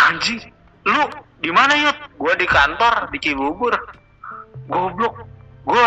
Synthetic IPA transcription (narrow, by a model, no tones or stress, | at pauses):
aɲd͡ʒi | luʔdimanajʊt̪̚ɡuadikant̪ɔrdikibubʊr | ɡɔblʊk̚ɡua